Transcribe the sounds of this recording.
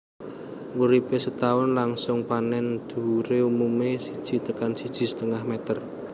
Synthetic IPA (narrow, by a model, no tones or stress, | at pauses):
muɾipesət̪awʊnlaŋsʊŋpanɛnd̪̥ṳuɾeumumesid̥ʒ̥i̤t̪əkansid̥ʒ̥i̤sə̥t̪əŋahmɛt̪ər